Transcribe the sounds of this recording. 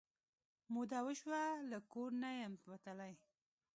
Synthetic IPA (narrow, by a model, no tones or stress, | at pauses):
mud̪awəʃwalakoɾnajamwat̪alaj